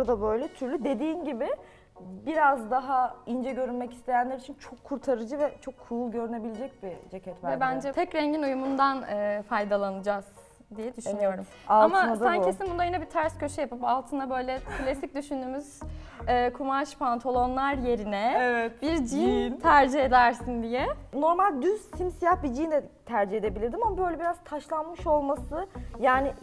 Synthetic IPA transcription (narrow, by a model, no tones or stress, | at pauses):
ɾd̪abø̞jlʲɛt̪ʰyɾlʲyd̪e̞d̪iːnɟibɪ | biɾazd̪aɦaind͡ʒɛɟø̞ɾynmɛci̥st̪ʰe̞jænlʲæɾit͡ʃʰint͡ʃʰo̞kʰːuɾt̪ʰaɾɯd͡ʒɯvɛt͡ʃʰo̞kʰːuulˠɟø̞ɾyne̞bilʲed͡ʒɛc̚bid͡ʒecʰɛt̪mæɛbænd͡ʒɛt̪ʰɛcɾɛɲɟinujumund̪anɯːfajd̪alˠanɯd͡ʒaz̥ | d̪ijɛd̪yʃynyjo̞ɾum | alatmanad̪aɲcʰiesinbunajinɛbit̪ʰæɾscøʃɛjapɯpalˠt̪ʰɯnabø̞jlʲɛkʰlʲasic̚d̪yʃynd̪yːmyz̥ɛːkʰumaʃpant̪ʰolˠo̞nlˠaɾje̞ɾinɛɛvɛt̪biɾd͡ʒijnt̪ʰæɾd͡ʒihe̞d̪æɾsind̪ijɛno̞ɾmalʲd̪yzsimsijahbid͡ʒijnd̪ɛt̪ʰæɾd͡ʒihed̪e̞bilʲiɾd̪imamabøjlʲɛbiɾazt̪ʰaʃlˠanmɯʃo̞lˠmasɯjaːni